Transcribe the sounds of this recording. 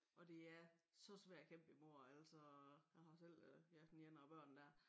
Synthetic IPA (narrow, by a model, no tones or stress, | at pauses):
ʔɒ̽d̥e̝æɐsɒ̽sʋæɐ̰d̥kʰem̰b̥imo̝ɐ̰æl̰sɒjɑ̈hɑ̈sel̰jæd̥en̩jenɐɒb̥ɶɐ̰nd̥æɐ̰